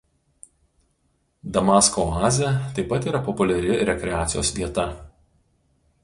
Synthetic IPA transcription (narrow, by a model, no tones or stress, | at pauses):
d̪ɐmɑskoɑːzʲɛt̪ɐɪpɐt̪iːɾɐpɔpʊlʲɛɾʲɪɾʲɛkʲɾʲɛaːt̪sʲɪjo̰ːsʋʲiɛt̪ɐ